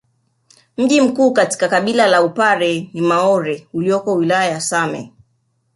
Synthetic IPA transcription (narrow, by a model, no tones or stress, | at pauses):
m̩ʄim̩kuːkati̥kakaɓilalaupaɾɛnimaɔɾɛuliɔkɔwilajajasamɛ̰